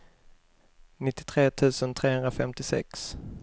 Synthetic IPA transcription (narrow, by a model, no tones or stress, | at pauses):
nɪt̪ːɪ̥t̪ʰɾeːt̪ʰʉ̟ːsənt̪ʰɾeːhɵnd̪ɾafɛmt̪ɪsɛ̰ks